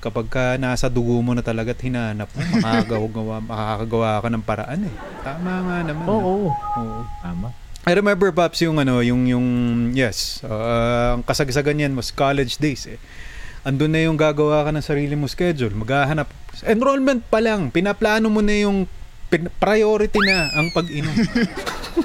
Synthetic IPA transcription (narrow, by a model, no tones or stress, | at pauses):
kɐpɐɡ̚kɐnaːsɐd̪ʊɡomonɐt̪ɐlɐɡat̪̚hɪnaːhɐnɐp̚nɐmɐkaɐɡɐwaɡɐwamɐkaakɐɡɐwaːkɐnɐŋpɐɾɐ̰ʔanɛ | t̪aːmaŋanɐmanooʔoːʔoama | ʔɐjɾɛmɛmbɛɹpapsjʊŋɐno̞jʊŋjʊŋjɛsʔoːʔɐŋkɐsɐɡsɐɡɐnjanwɐskalɛd͡ʒd̪ejsʔɛ | ʔɐnd̪ʊnːɐjʊŋɡaːɡɐwaːkɐnɐŋsɐɾiːlɪmʊskɛd͡ʒʊlmɐɡaːɦɐnap̚sɐʔɛnɾolmɛnt̪̚pɐlaŋpɪnɐplaːnomonɐjʊŋ | ppɾɐjoːɾɪt̪inɐʔɐŋpɐɡɪnom